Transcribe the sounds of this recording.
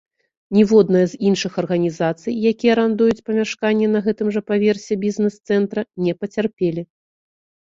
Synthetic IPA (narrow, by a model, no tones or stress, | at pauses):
nʲivɔd̪nɐjɐzinʂɨxɐrɣɐnʲizat̪sɨjjakʲijɛɾand̪ujut͡sʲpɐmʲaʂkanʲːɛnɐɣɛt̪ɨmʐɐpavʲɛrsʲɛbʲiznɛst̪sɛnt̪ɾɐnʲɛpɐt͡sʲarpʲelʲi